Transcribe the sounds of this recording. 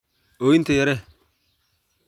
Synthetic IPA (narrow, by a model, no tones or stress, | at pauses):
owint̪ejeɾɛ